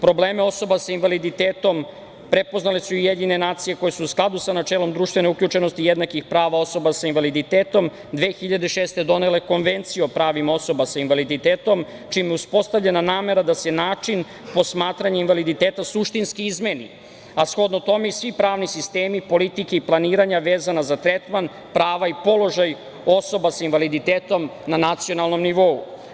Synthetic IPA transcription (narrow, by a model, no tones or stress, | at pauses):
pɾo̞bleːmeo̞so̞basainʋalid̪it̪eːt̪o̞m | pɾepo̞znalesuijed̪ɲinenaːt̪sije̞ko̞jesuusklˠad̪usanat͡ʃelo̞md̪ɾuːʃt̪vʋe̞neuklʎut͡ʃe̞no̞st̪ijed̪nakixpɾaːʋao̞so̞basainʋalid̪it̪eːt̪o̞m | d̪ʋe̞xiʎad̪e̞ʃeːst̪e̞d̪o̞ne̞le̞ko̞nʋent̪sijeopɾaːʋimo̞so̞basainʋalid̪it̪eːt̪o̞m | t͡ʃiːmjeuspo̞st̪avʎenanaːme̞ɾad̪asenaːt͡ʂin | po̞smaːt̪ɾaɲeinʋalid̪it̪eːt̪asuʃt̪inskiizmenḭ | asxo̞d̪not̪o̞meisʋipɾaːʋnisist̪eːmipo̞lit̪ikeiplˠaniːɾaɲaʋeːzanazat̪ɾet̪man | pɾaːʋaipo̞lo̞ʒaj | o̞so̞basainʋalid̪it̪eːt̪o̞mnanat̪sijo̞nalˠno̞mniʋo̞ṵ